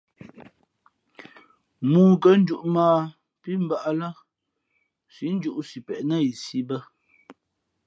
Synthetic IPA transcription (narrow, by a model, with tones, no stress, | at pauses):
muː˦˨kə˦n̩˦d͡ʒu˦ʔmaː˦ | pi˦m̩˦ba˦ʔa˦la˦ | si˨˦n̩˦d͡ʒu˦ʔsi˨pɛ˨ʔnə˦˨i˨si˦bə˦